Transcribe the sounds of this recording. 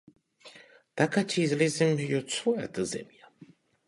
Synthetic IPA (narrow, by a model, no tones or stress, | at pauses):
d̪̥akʰat͡ʃʰizlizimhjɔt͡ssʰuɛ̰d̪əzɛ̰mia